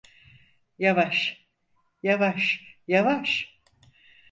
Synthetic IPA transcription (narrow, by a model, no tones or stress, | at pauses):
javaʃ | javaʃjavaʃ